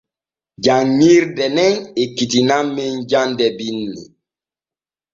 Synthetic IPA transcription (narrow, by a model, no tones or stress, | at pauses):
ɟaŋːiɾdɛnɛnekitinamːend͡ʒandɛbinːḭ